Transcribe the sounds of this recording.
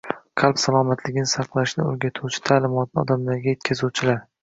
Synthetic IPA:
qʰɑlˠpsalˠɒmat̪ʰlɪɡʲɪnɪsɑqlˠaʃnɪɵ̰ɾɡʲat̪ʰuwt͡ʃʰɪ̥t̪ʰaːlɪmɒt̪̚nɪɒ̰d̪amlaɾɡʲajet̪kʲʰazuwt͡ʃʰɪlaɾ

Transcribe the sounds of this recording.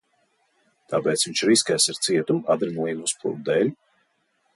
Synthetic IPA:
t̪apɛːt̪sviɲt͡ʃɾiskɛjsiɾt̪siɛt̪umad̪ɾinujimuspʰṵɾd̪ɛːlʲ

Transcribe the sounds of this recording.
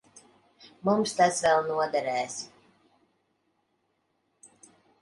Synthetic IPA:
mumst̪asvɛlˠnuɔd̪ɛɾɛːs

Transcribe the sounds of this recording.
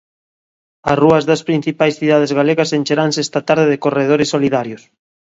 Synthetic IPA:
ɐsruɐzðɐspɾĩn̟θipajsθiðað̞ezɣaleɣɐsenʲt͡ʃeɾansest̪at̪aɾðeðɪkoreð̞oɾesːoliðaɾjos

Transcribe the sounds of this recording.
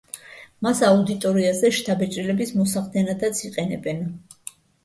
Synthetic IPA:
masaud̪it̪ʼɔɾiazɛʃt̪ʰabɛt͡ʃʼɾilɛbismɔsaχd̪ɛnad̪at̪sʰiqʼɛnɛ̰bɛn

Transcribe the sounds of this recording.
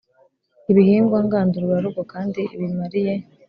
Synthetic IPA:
iβihiːŋɡwaŋɡaːnduɾuwaɾuɡwokaːndiʔiβimaɾije̞

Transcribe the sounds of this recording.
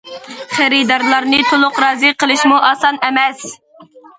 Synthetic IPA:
χæɾɨd̪ɑɾlˠɑɾnɨt̪ʰolˠʊqɾɑːzɨqəlˠɨʃmuʔɑːsɑnɛmɛs

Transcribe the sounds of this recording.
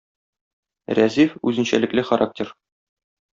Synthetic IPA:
ræzifʉzɘ̆nɕæ̰lɘ̆klɘχaɾʔak̚tʲeɾ

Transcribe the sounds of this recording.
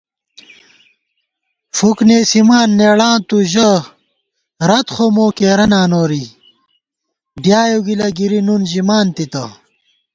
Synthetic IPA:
fukneːsimaːnːeːɽaːnt̪uʑɐ | ɾɐt̪χomoːkeːɾɐnaːnoːɾi | ɖjaːjoɡilɐɡiɾinunʑimaːnt̪it̪ɐ

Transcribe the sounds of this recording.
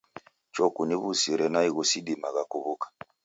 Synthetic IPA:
t͡ʃɔkuniβusiɾɛnaiɣusidimaɣakuβukḁ

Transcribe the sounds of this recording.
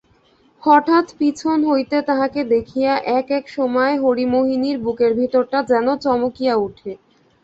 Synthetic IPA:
hɔʈʰat̪pit͡ɕʰonɦojt̪et̪aɦaked̪ekʰijaʔɛkɛkʃɔmɔeɦoɾimoɦiniɾbukeɾbʱit̪oɾʈad͡ʑɛnot͡ɕɔmokijauʈʰe

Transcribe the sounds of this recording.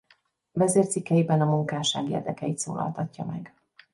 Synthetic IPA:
vɛzeːrt̪sikːɛjibɛnɒmuŋkaːʃaːɡḛːrd̪ɛkɛjit̪soːlʔɒ̰lt̪ɒcːɒmɛɡ

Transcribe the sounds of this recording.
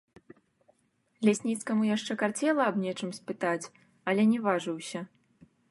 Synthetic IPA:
lʲɛsʲnʲit̪skɐmujaʂt͡ʂɛkart͡sʲɛlˠɐːbnʲɛt͡ʂɨmsʲpɨt̪at͡sʲ | ɐlʲɛnʲɛvaʐɨwsʲɐ

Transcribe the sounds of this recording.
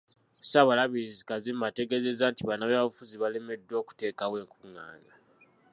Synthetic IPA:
saβalaβiizikazimːate̞ɡe̞ze̞zantiβanaβeβaβufuziβale̞me̞dːwo̞ːku̥te̞ːkawe̞ːŋkuŋːa̰ːna

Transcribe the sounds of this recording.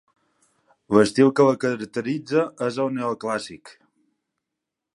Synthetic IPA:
ləst̪ilˠkələkəɾəkt̪əɾid͡zəəzəlˠneəlˠklasik

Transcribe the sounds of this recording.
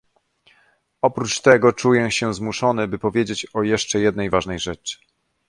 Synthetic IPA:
ɔpɾut͡ʂt̪ɛɡɔt͡ʂujɛɕɛzmuʂɔnɘbɘpɔvʲjed͡ʑet͡ɕɔjɛʂt͡ʂɛjɛd̪̚nɛjvaʐnɛjʐɛt͡ʂ

